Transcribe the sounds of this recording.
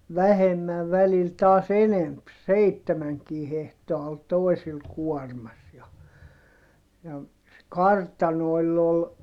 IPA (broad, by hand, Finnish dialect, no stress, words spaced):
ʋæhemːæʋ ʋælil tɑːs enemp seitːemæŋkiː hehtoɑ ol toi̯sil kuɔrmɑs jɑ jɑ se kɑrtɑnoi̯lː ol